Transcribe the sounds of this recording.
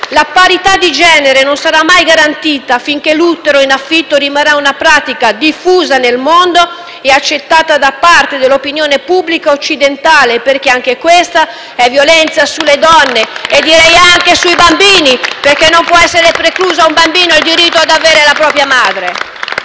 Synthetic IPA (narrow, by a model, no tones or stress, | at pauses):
lapaɾit̪ad̪ːid͡ʒɛːneɾenonsaɾamːajɡaɾant̪iːt̪afiŋk̟elut̪ːeɾoinafːit̪ːoɾimarːaunapɾaːt̪ikad̪ifːuːzanelmond̪o | ɛat͡ʃːet̪ːaːt̪ad̪apːart̪ed̪elːopinjoːnepubːlikaot͡ʃːid̪ent̪aːleperkeaŋk̟ekwest̪a | ɛvjolɛnt̪sasuled̪ɔnːeed̪ːiɾɛjaŋk̟esuibambiːniperkenːompwɔɛsːeɾepɾekluːzaumbambiːnoild̪iɾit̪ːoad̪aveːɾelapɾɔːpɾjamaːd̪ɾe